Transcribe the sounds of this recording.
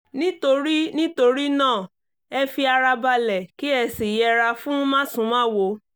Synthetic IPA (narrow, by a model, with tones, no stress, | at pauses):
nĩ˦to˧ɾi˦nĩ˦to˧ɾi˦nãː˦˨ | ɛ˧fi˧a˧ɾa˧ba˧lɛ˨ki˦ɛ˧si˨jɛ˧ɾa˧fũ˦mã˦˨sũ˨˧˦mãː˦˨wo˨˦